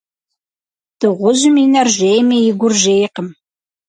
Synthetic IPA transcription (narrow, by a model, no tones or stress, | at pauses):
d̥ɨʁʷʊʑɪminɐrʒejmɐjɪɡʷʊrʒejqəm